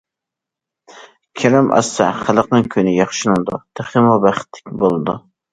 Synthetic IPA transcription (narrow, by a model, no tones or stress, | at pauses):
kʲʰɛɾɛmʔɑ̰sɛχæləqnɨŋkʲʰynɪjɑχʃɨnuŋd̪ṵt̪ʰæχəmubæχɪ̥t̪ʰːɪ̥k̚ʲbolˠɨd̪ṵ